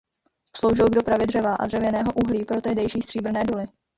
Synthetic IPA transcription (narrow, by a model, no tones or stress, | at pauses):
slowʒɛlɡdo̞pɾavɪdr̝ɛvaːʔa̰d̪r̝ɛvjɛnɛːɦo̞ʔuɦliːpɾo̞t̪ɛɦdɛjʃiːst̪r̥iːbr̩nɛːdolɪ